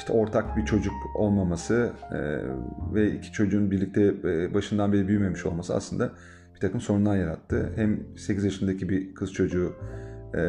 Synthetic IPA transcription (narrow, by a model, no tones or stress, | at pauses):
ʃt̪ʰɛo̞ɾt̪ʰakbit͡ʃʰo̞d͡ʒuko̞̰lˠmamasɯɛ̰vɛḭcʰi̥t͡ʃʰo̞d͡ʒuːnbiɾlʲic̚t̪ʰɛbaʃɯnd̪anbeɾʲibyjyme̞miʃo̞lˠmasɯa̰slˠɯnd̪a | bb̥it̪ʰakɯmso̞nund̪anjaɾat̪ʰːɯhæmse̞cizjaʃɯnd̪acʰibikʰɯz̥t͡ʃʰo̞d͡ʒuː